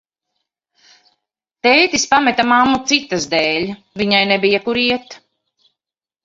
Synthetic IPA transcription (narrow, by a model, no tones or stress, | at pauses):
t̪ɛjt̪ispamɛt̪amamːut̪sit̪ːazd̪ɛːlʲ | viɲajnɛbijakuɾiɛt̪